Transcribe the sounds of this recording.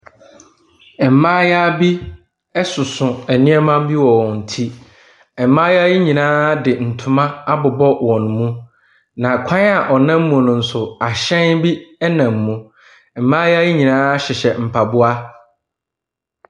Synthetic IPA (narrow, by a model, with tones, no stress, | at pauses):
ɛ˨m̩˨mãː˦ja˦bi˦ | ɛ˦sʊ˨sʊ̃˨æ˨nɪ̃˦ɛ˦mã˦bi˦wɔ˨wɔ˨n̩˨tʰi˦ | ɛ˨m˦mã˦ja˦ji˦ɲĩ˨nãː˦dɪ˨n̩˨tʰʊ̃˨mã˦a˦bʊ˨bɔ˦wɔ̃˨nʊ̃˨mũ˦ | nã˨kʷʰã˦na˨ʔɔ˨nã˦m̩˦mũ˨nʊ̃˨n̩˨sʊ˨a˨ɕɛ̃˦nbi˦ɛ˦nã˨m̩ː˨ũ˨ | ɛ˨m̩˨˦mã˦ja˦ji˦ɲĩ˨nãː˦ɕɪ˨ɕɛ˨m̩˨pʰa˨bʊ˦a˦